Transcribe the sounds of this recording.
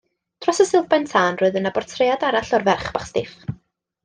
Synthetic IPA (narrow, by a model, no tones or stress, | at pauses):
d̥ʰrɔsəsɪlˠvbɛntʰaːnroːɨðənabɔrtʰrejadaɾaɬɔrvɛrχb̥aχstɪf